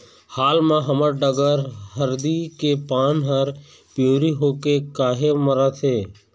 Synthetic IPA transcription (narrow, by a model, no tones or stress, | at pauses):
haːlmãːɦəməɾɖəɡəɾɦəɾd̪iːkeːpaːnɦəɾ | pjoːɾiːɦoːkekaːɦeməɾaːt̪ʰeː